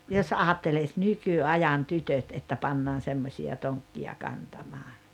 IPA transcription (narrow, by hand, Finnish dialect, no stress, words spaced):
jos ɑːtːelis nykyɑjɑn tytøt etːæ pɑnːɑːn semːosʲiɑ toŋkːiɑ kɑntɑmɑː